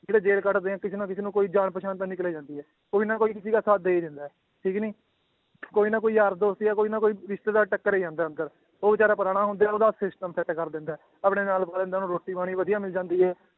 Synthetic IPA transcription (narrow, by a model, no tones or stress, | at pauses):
d͡ʒeːɽeːd͡ʒeːlkəʈd̪eːãːkɪseːnãːkɪseːnũːkoːiːd͡ʒaːɳpəʃaːnt̪ãːnɪkleːd͡ʒãːnd̪iːɛː | koːiːnaːkoːiːkɪsiːkaːsaːt̪̚d̪eːiːd̪ɪ̃nd̪aːɛː | ʈʰiːkniː | koːiːnãːkoːiːaɾd̪oːst̪iaːkoːiːnaːkoːiːɾɪʃt̪eːd̪aːʈəkːəɾeːd͡ʒãːnd̪aːə̃nd̪əɾ | oːbɪt͡ʃaːɾaːpəɾaːɽ̃aːɦʊ̃nd̪aːɛoːd̪aːsɪsʈəmpʰɛt̪ːkəɾd̪ɪ̃nd̪aɛː | əpɽeːnaːlpaːlẽnd̪aːnũːɾoːʈːiːbaːɽ̃iːʋəd̪ijãːmɪld͡ʒãːnd̪iːɦɛː